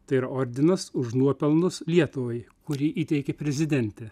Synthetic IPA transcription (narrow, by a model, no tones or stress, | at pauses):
t̪ɐɪiːɾɐoːɾʲd̪ʲɪnɐsʊʃnuɔpʲɛlˠnʊslʲiɛt̪ʊʋɐɪkʊɾʲiːʔiːt̪ʲɛɪkʲɛpʲɾʲɛzʲɪd̪ʲɛnʲt̪ʲɛ